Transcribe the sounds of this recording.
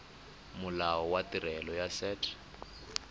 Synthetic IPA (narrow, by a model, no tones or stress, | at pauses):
mʊlaɔwatirɛlɔjasɛːtʰɛ̥